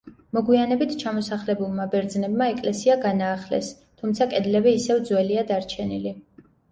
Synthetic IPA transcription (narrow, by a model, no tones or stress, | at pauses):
mɔɡwianɛbit̪ʰt͡ʃʰamɔsaχlɛbulˠmabɛɾd̪znɛbmaɛkʼlɛsiaɡanaːχlɛ̰s | t̪ʰumt̪sʰakʼɛd̪lɛbiːsɛvd̪zwɛliad̪aɾt͡ʃʰɛnili